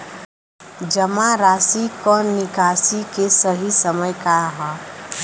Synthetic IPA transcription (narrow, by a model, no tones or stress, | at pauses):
d͡ʒəmaɾasikɔnːikasikesəɦisəməjkaɦɔ